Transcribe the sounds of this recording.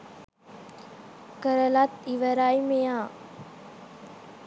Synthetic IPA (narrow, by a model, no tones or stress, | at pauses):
kəɾəlat̪iʋəɾaːjmejãː